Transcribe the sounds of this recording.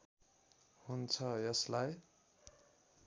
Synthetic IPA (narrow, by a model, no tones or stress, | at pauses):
hunt͡sʰʌjʌslaj